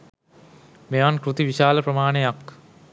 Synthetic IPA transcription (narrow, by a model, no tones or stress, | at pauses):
meankɾut̪iʋiʃaːləpɾəmaːnejak